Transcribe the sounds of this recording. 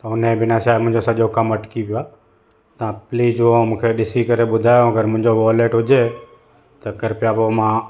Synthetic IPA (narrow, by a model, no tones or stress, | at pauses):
t̪əʊnẽːbɪnãʃaːɪmʊ̃ɦɪ̃d͡ʒoːsəʄoːkəməʈkipjoaː | t̪ãːpliːd͡ʒomũːkʰeːɗɪsiːkəɾeːɓʊd̪ʱaːjõːəɡəɾmʊ̃ɪ̃ɲd͡ʒoʋoːleːʈɦʊd͡ʒeː | t̪əkəɾpjaːbomãː